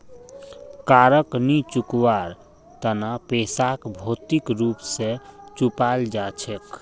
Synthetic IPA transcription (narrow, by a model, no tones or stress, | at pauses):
kaɾəknit͡ʃukwaɾ | t̪ənapesakbʱot̪ikɾupset͡ʃupald͡ʒat͡ʃʰek